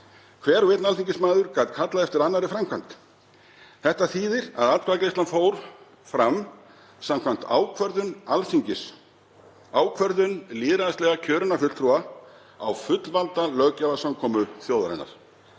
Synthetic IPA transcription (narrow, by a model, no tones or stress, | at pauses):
kʰvɛːɾvɪt̪nalθiɲcɪsmaːðʏɾ̥kaːt̪kʰat̪laðɛft̪ɪɾanːaɾɪfɾamkʰvant̪ | θɛht̪aθiːðɪɾa̰ðat̪ɾaklist̪anfoːwɾ̥ | fɾam | samkʰvam̥t̪a̰ːwkʰvœɾðʏnalθiɲcɪs | aːwkʰvœɾðʏnlɪːðɾaðst̪ɛɣacʰœːɾʏnafʏt̪lt̪ʰɾua | a̰wfʏt̪lvalt̪alœːcavasamkʰɔːmʏθjoːwðaɾa̰nːa̰ɾ̥